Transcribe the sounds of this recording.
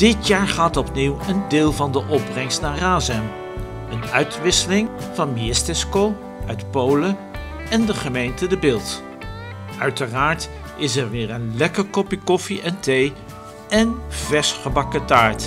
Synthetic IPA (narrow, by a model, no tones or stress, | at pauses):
d̥ɪtjaːɹχaːtɔpniwəndɪːlˠvɑndəʔɔb̚rɛŋstnaːɹraːzɛm | ənœɥtʋɪsəlɪŋv̥ɑnmiɪstɛskow | œɥtpowlə | ɛndəχəmejntədəbɪːlˠt | œɥtəraːɹt | ɪsɛɹʋɪːɹənlɛkəɹkɔpikɔfiʔɛntej | ɛnv̥ɛsχəbɑkətaːɹt